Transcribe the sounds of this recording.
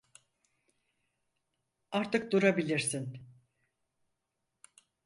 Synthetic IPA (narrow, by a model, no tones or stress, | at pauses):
aɾt̪ɯk̚d̪uɾabilʲiɾsin